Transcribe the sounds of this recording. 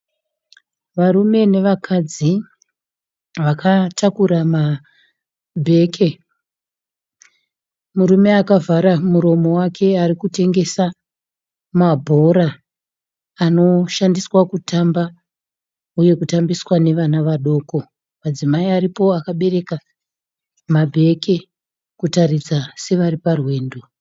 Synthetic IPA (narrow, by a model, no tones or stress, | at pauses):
ʋaɾume̞ne̞ʋakʰad͡zi | ʋakʰatʰakuɾama | bʱe̞kʰe | muɾume̞akavaɾamuɾo̞mo̞wakʰe̞aɾikute̞ŋɡe̞sa | mabʱo̞ɾa | no̞ʃandiswakutamba | uje̞kutambiswane̞ʋanaʋaɗo̞ko̞ | mad͡zimaiaɾipo̞akaɓe̞ɾe̞ka | mabʱe̞ke̞ | kutarid͡zase̞ʋaɾiparwe̞ːndo